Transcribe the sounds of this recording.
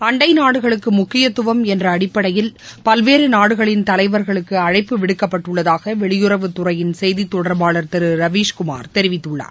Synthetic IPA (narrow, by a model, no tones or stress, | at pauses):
ɐɳɖɐɪnaːɽɯɣɐɭɯkːɯmʊkːɪjɐt̪ːʊʋɐmɛndrɐːɽɪpːɐɽɐjɪlpɐlʋeːɾɯnaːɽɯɣɐɭɪnt̪ɐlɐɪʋɐɾɣɐɭɯkːɯɐɻɐɪpːɯʋɪɽɯkːɐpːɐʈːɯɭːɐðaːɣɐʋɛɭɪjʊɾɐʋɯt̪ʊrɐjɪnsɛjðit̪ːɔɽɐɾbaːɭɐɾt̪ɛɾɯɾɐʋiːʂkʊma̰ːɾt̪ɛɾɪʋɪt̪ːɯɭːa̰ː